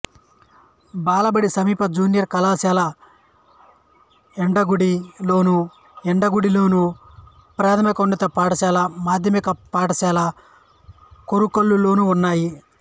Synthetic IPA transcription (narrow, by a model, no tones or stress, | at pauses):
baːlɐbɐɽisɐmiːpɐd͡ʒuːnijɐɾkɐlaːsaːlɐ | eɳɖɐɡuɽilo̞ːnu | eɳɖɐɡuɽilo̞ːnu | pɾaːt̪ʰɐmikɐounːit̪ɐpaːɽɐʃaːlɐmaːd̪ʱjɐmikɐpaːɽɐsaːlɐ | koɾukolːulo̞ːnuːnːaːji